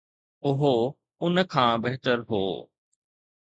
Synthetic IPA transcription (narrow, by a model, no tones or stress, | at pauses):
ʊɦo | ʊnəkʰãːbeɦt̪əɾɦo̰ː